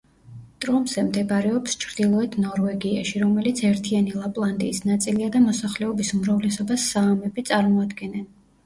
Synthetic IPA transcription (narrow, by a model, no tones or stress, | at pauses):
t̪ʼɾɔmzɛmd̪ɛbaɾɛɔpst͡ʃʰɾd̪ilˠɔɛt̪ʰnɔɾvɛɡiaʃiɾɔmɛlit̪sʰɛɾt̪ʰianilˠapʼlˠand̪ʼḭːsnat̪sʼiliad̪amɔsaχlɛɔbisumɾavlɛsɔbasːaːmɛbit̪sʼaɾmɔad̪ɡɛnɛn